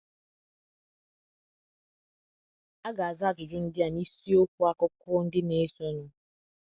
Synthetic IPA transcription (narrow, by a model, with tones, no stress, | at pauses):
a˦ɡa˨a˨za˦˨d͡ʒʊ˨d͡ʒʊ˦n̩˦dɪ˦a˨ni˦si˦o˦kʷu˦a˦kʊ˦kʊ˦n̩˦dɪ˦ne˦so˦ɲʊ˦